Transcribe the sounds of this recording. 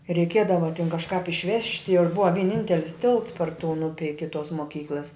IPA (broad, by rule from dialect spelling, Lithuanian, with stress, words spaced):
rʲɛɪˈkʲiɛdɐʋɐ tʲɪn kɐʃˈkɑːp ɪʃʲˈʋʲæːʃʲtʲɪ ɪr ˈbʊʋɐ ʋʲɪˈnʲɪnʲtʲɛlʲɪs tʲɪlˠts pɐr tʊn ˈʊpʲɪ ˈɪkʲɪ toːs moːˈkʲiːklˠɐs